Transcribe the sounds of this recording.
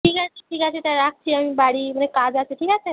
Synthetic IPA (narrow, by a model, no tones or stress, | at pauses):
ʈʰiːkat͡ɕiʈʰiːkat͡ɕet̪aɾak̚t͡ɕiːamibaɽiːm̤əekad͡zaseʈʰiːkat͡se